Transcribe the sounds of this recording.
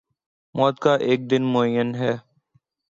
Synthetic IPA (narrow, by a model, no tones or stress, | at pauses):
mʔɔːt̪̚kaːʔeːk̚d̪ɪnmoːəjənɦɛː